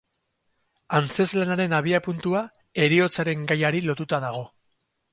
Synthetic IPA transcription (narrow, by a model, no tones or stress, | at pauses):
ant͡se̞zlanaɾe̞naβ̞iapunt̪ua | e̞ɾio̞t͡saɾe̞ŋɡajaɾilo̞t̪ut̪aðaɣ̞o̞